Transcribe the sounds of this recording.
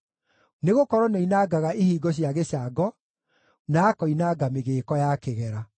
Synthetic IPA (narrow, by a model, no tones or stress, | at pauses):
neɣokɔɾɔnɔinaɡaɣaehiːɡɔɕ̬jaɣeɕaɡɔ | naːkɔinaɡameɣeːkɔjakeɣɛɾa